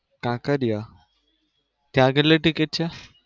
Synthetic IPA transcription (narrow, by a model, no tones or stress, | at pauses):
kãkəɾja | t̪jãɡəlːeʈikeʈ̚t͡ɕja